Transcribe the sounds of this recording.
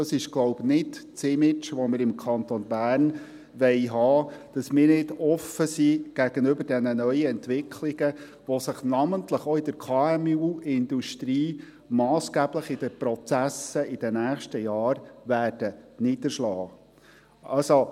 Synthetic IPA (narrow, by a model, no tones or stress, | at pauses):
ɑsɪʃɡ̥lɔʊbnɪdt͡sɪmɪt͡ʃʋɔmɪɾɪmkʰɑnt̪ɔnbæːɾn | ʋɛɪɦɑːd̥ɑsmɪːɾnɪdɔfːəsiɡ̥æɡ̥ənʏbəɾdɛnənœʏəɛnt̪ʋɪkʰlɪɡ̥ə | ʋɔsəχnɑmənt̪ləχɔɪd̥əɾkʰɑːɛmuɪnd̪uʃt̪ɾiː | mɑːsɡ̥æːbləχɪd̥əpɾɔt͡sæsəɪd̥ɛnæːχʃtəjɑːɾʋæːd̥ənɪd̥̪əʃlɑː | ɑlso